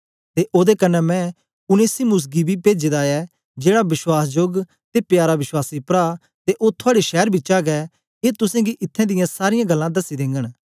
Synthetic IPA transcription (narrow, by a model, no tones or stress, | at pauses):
t̪eʔoːd̪ekɐnːɛmɛ̃ | ʊneːsimʊs̬ɡibʱipeːd͡ʒeːd̪aɛ | d͡ʒeːɽabɪswaːsd͡ʒoːɡ | t̪epjaːɾaʋɪswaːsipɾaː | t̪eʔoːt̪ʰʊaːɽiʃɛːɾbʱit͡ʃaːɡɛ | eːt̪ʊsẽɡiʔɪt̪ʰːɛ̃d̪ɪjãsaːɾɪjãɡɐlːãd̪ɐsid̪ɪ̃ːŋɡəɽ̃